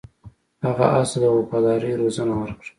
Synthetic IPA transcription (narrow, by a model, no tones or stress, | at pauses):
haɣa̰ʔasad̪əɣopɑd̪ɑɾiɾozanawəɾkɽə